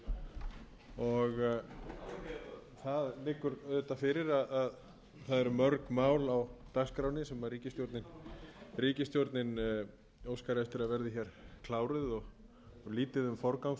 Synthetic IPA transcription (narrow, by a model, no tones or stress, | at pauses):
ɔɣ | θaðlɪːkːʏɾœðt̪afɪɾɪɾaðað | θaðɛɾmœɾkmaːwlawt̪akskɾawnɪsɛmvaɾriːcɪst̪jowɾt̪nɪnriːcɪst̪jowɾt̪nɪn | oːwskaɾɛst̪ʏɾaðvɛɾðɪçɛɾ̥kʰlaːwɾʏðɔɣ | liːt̪ɪðʏmfɔɾkawŋ